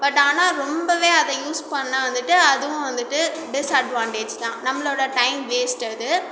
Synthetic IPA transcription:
bɐʈːaːnaːɾɔmbɐʋeːɐðɛ̃juːspɐɳːɐʋɐnd̪ɯʈːɯɐðɯʋʊ̃ʋɐnd̪ɯʈːɯ | ɖɪsɐɖʋaːɳʈeːd͡ʒt̪ãːnɐmːɐɭoːɽɐʈɐɪmʋeːsʈɐðɯ

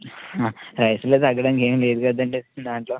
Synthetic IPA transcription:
aːɾɐjsuloːt̪ɐɡːɐɽɐːnike̞ːmile̞ːd̪ukɐd̪ɐɳɖid̪aːɳʈlo̞ː

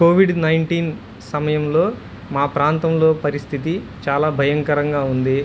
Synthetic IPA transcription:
koːʋiɖnɐjɳʈiːn | sɐmɐjɐmlo̞ː | maːpɾaːnt̪ɐmlo̞ːpɐɾist̪ʰit̪̬it͡ʃaːlaːbʱɐjɐŋkɐɾɐŋɡaːund̪i

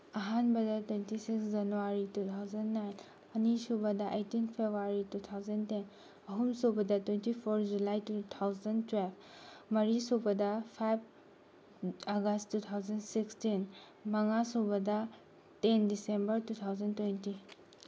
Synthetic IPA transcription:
ɐɦanbɐdɐtwentisiksd͡ʒɐnuwaɾitutʰawzɐnːajn | ɐnisubɐdɐʔejtinpʰebʱuaɾitutʰawzɐnten | ɐɦumsobɐdɐtwentipʰoɾd͡ʒulajtutʰawzɐntwelb̚ʰ | mɐɾisubɐdɐpʰajb̚ | aɡɐstːutʰawzɐnsikstin | mɐŋasubɐdɐ | tendisembɐɾtutʰawzɐntwenti

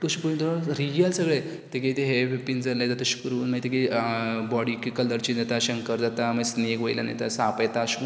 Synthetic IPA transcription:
t̪oɕipũnt̪oɾijəlsəɡɭe | t̪eket̪eɦeʋepind͡zalajd͡zat̪aɕu̥kɾuːnmait̪ekebɔɽikikələɾt͡ɕid͡zat̪aɕəŋkəɾd͡zat̪aməesneɡʋojla̰na̰jt̪asapajt̪aɕu̥k

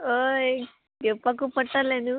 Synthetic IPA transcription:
o | ɡepːɐkupɐʈːaleːnu

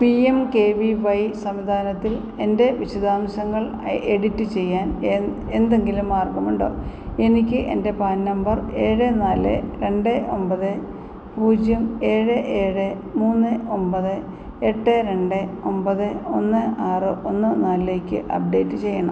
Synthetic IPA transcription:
piemke̞ːʋiʋɐjsɐmʋid̪ʱaːnɐt̪ːil | e̞nde̞ʋiɕɐd̪aːmɕɐŋːɐɭ | eɽitːɨt͡ɕe̞jːaːn | e̞nd̪eŋɡilumaːrɡɐmuɳɖo̞̰ːe̞nikʲːɨʔe̞̰nde̞paːnnɐmbɐre̞ːɻɨnaːlɨ̰ɾe̞ɳɖɨʔo̞mbɐðɨ | puːd͡ʑjɐme̞ːɻɨʔeːɻɨ | muːnːɨo̞mpɐðɨ | e̞ʈːɨɾe̞ɳɖɨo̞mbɐðɨo̞nːɨaːrɨʔo̞nːɨnaːlile̞ːkʲːɨ̰ʔɐ̰p̚ɖe̞ːtːɨt͡ɕe̞jːɐɳɐm

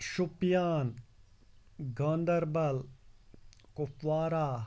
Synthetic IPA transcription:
ʃupjaːn | ɡãːnd̪ɐɾbɐl | kʊpʋaːɾaː

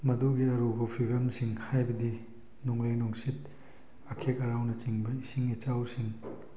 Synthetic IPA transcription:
mɐduɡiɐɾobɐpʰiɡɐmsiŋhajbɐdi | nuŋɾejnuŋsit̚ | ɐkʰekɐɾawnɐt͡ʃiŋbɐisiŋet͡ʃawsiŋ

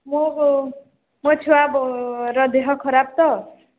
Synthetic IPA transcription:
mo | mʌt͡sʰuwabɾʌd̪eɦʌkʰʌɾab̚t̪ʌ

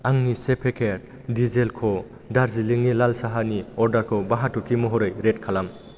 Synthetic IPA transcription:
aŋnisepʰekʰeɾ | dizelkʰo | daɾziliŋnilalsaɦaniɔɾdaɾkʰobaɦatukʰimɔɦoɾɯjɾetkʰalam

